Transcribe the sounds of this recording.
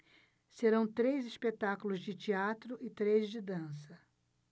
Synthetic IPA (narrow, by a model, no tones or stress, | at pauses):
seɾɐ̃w̃t̪ɾejzispet̪akʊlʊzd͡ʒɪt͡ʃiat̪ɾʊʔɪt̪ɾejzd͡ʒɪd̪ɐ̃sɐ